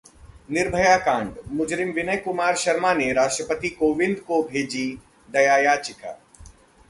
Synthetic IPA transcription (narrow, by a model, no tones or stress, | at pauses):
nɪɾbʱəjaːkãːɳɖmʊd͡ʒɾɪmʋɪnəjkʊmaːɾʃɐɾmaːneɾaːʃʈɾəpət̪ikoːʋɪ̃nd̪kobʱeːd͡ʒi | d̪ɐjaːjaːt͡ʃɪka̰ː